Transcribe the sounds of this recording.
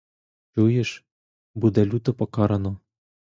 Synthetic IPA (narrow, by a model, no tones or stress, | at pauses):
t͡ɕujɘ̆ʃ | bud̪ælʲut̪ŏpɑkɑɾɑ̆no